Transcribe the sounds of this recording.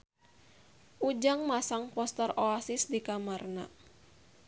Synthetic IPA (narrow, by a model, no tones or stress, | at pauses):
ʔud͡ʒaŋmasaŋpɔst̪ɛrɔasɪsdikamarna̰